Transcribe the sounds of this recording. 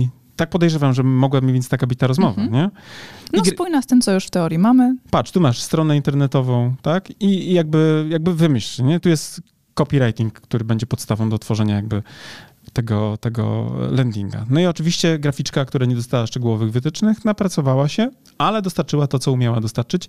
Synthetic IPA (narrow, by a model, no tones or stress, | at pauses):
i | t̪ak̚pɔd̪ɛjʐɛvamʐɛmɔɡwabmʲivʲɛnt̪t̪akabɘt͡ɕʲt̪aɾɔzmɔva̰ɲɛniɡspujnast̪ɘmt̪sɔjuʂft̪ɛɔɾjimamɘpat͡ʂʂt̪umaʂst̪ɾɔnɛint̪ɛɾnɛt̪ɔvɔ̃w̃t̪akijaɡ̚bɘjaɡ̚bɘvɘmɘɕliɲɛt̪ujɛst̪ | kɔpʲiɾajt̪ʲiŋkːt̪uɾɘbɛɲd͡ʑɛpɔt̪st̪avɔ̃w̃d̪ɔt̪fɔʐɛɲajaɡ̚bɘ | t̪ɛɡɔt̪ɛɡɔ̰lɛnd̪ʲiŋɡa̰nɔiɔt͡ʂɘvʲiɕt͡ɕɛɡɾafʲit͡ʂkakt̪uɾaɲɛd̪ɔst̪awaʂt͡ʂɛɡuwɔvɘɣvɘt̪ɘt͡ʂnɘxnapɾat̪sɔvawaɕɛ | alɛd̪ɔst̪aɾt͡ʂɘwat̪ɔt̪sɔumʲjawad̪ɔst̪aɾt͡ʂɘt͡ɕ